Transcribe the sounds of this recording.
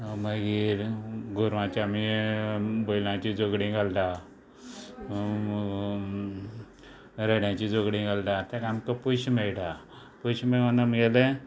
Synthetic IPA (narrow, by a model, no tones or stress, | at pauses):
məɡiːɾɡʱuɾʋãt͡ɕami | bojlãt͡ɕid͡zoɡɽĩɡalda | ɾeɽjãt͡ɕid͡zoɡɽĩɡald̪ãt̪ẽkamkəpuɕmeɭɖa | puɕmeənəmɡele